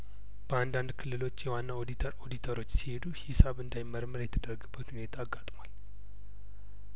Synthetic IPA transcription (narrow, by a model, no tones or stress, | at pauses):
b̥əand̪and̪kʰɨlːɨlo̞t͡ʃːjɛwanːaod̪it̪ʰəɾo̞d̪it̪ʰəɾo̞t͡ʃːsihe̞d̪uhisaβɨnd̪ajɪmːəɾmɨɾjɛt̪ʰəd̪ərɡɨbːət̪hune̞t̪ʰaːɡːat̪ʼmal